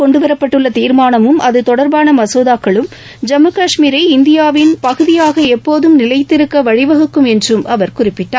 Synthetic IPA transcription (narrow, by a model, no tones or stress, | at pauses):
kɔɳɖɯʋɐɾɐpːɐʈːɯɭːɐt̪iːɾmaːnɐmɯmʔɐðɯt̪ɔɽɐɾbaːnɐmɐsoːðaːkːɐɭɯm | d͡ʒɐmɯkɐʂmiːɾɐɪɪnd̪ɪjaːʋɪnpɐɣɯðɪjaːɣɐɛpːoːðɯmnɪlɐɪt̪ːɪɾɯkːɐʋɐɻɪʋɐɣɯkːɯmɛndrɯmɐ̰ʋɐɾkʊrɪpːɪʈːaː